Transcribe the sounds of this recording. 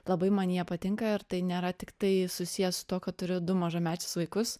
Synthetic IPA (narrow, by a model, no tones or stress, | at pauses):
lˠɐbɐɪmɐnʲjɛpɐt̪ʲɪŋkɐɪɾt̪ɐɪnʲeːɾɐt̪ʲɪkt̪ɐɪsʊsʲijɛssʊ̥t̪uɔkɐtt̪ʊɾʲʊd̪ʊmɐʒɐmʲæːt͡ʃʲɪ̥sʋɐɪkʊs